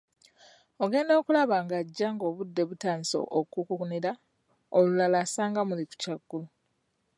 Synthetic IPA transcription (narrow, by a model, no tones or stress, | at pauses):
o̞ɡe̞ːndo̞ːkulaβaŋɡaɟːaŋɡo̞ːβudːe̞βutaːniso̰ʔokukuuniɾa | olulalasaːŋɡamuliku̥caɡːulu